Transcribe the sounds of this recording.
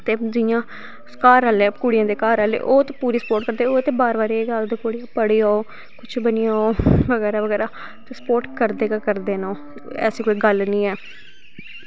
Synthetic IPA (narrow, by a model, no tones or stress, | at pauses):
t̪eːd͡ʒɪjãː | kaːɾəlɛːkuːɽɪjãːd̪eːkaːɾəːlḛːʔoːt̪ːpuːɾiːsə̥poːʈkəɾd̪eːoːt̪eːbaːɾʋaːɾieɡaːld̪eːkuːɽijãːpəɽiːaːoː | kʊt͡ʃʰbənijaːoːʋəɡɛːɾaːʋəɡɛːɾaː | t̪ːsə̥poːɾʈkəɾd̪eːkakəɾd̪eːnaoː | ɛ̰ːsiːkoːiːɡəlnĩːɛː